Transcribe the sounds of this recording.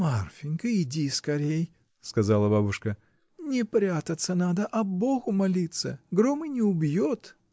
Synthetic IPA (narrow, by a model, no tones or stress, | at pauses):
marfʲɪnʲkɨɪdʲiskɐɾʲej | skɐzalˠəbabʊʂkə | nʲɪpɾʲat̪ət̪sənad̪əʔɐboɣʊmɐlʲit̪sə̰ɡɾomɨjnʲɪʊbjot̪